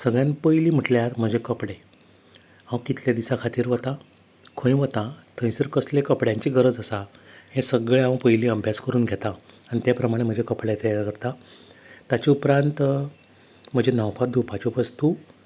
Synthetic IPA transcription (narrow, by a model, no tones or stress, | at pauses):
səɡɭjãnpəjliːm̤əʈljaɾm̤əd͡ʑekəpɽe | ãwkit̪ljad̪isakʰat̪iːɾʋət̪a | kʰə̃j̃ʋət̪at̪ʰə̃j̃səɾkəslekəpɽjãɲt͡ɕiːɡəɾəd͡zəsahẽsəɡɭeãʋə̃pəjliːəbʱjaskəɾuːnɡʱet̪aːñit̪japɾəmaɽ̃em̤əd͡ʑekəpɽjat̪ejakəɾt̪a | t̪at͡ɕiupɾant̪ | m̤əd͡ʑenãwpʰad̪ʱupat͡ɕupəst̪u